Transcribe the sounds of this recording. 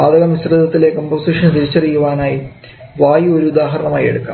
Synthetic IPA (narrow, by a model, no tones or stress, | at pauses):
aːd̪ɐɣɐmisrɐd̪ʱɐt̪ːile̞komboːsiːʂɐnt̪iɾit͡ɕːɐrijːuʋaːnaːji | ʋaːjio̞ɾuud̪aːɦɐɾɐɳɐmaːjḛɽukːa̰ː